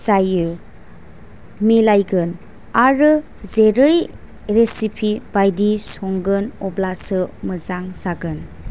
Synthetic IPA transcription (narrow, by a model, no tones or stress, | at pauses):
sajɯ | milajɡɯn | aɾɯ | zeɾɯj | ɾesipʰibajdisɔŋɡɯnɔblasɯməzaŋsaɡɯn